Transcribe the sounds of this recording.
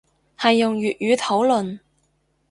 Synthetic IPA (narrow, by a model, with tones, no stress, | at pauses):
hɐ˨jːʊ˨ŋjyː˨t̚jyː˨˧t̪ʰo˨˥wlɵ˨n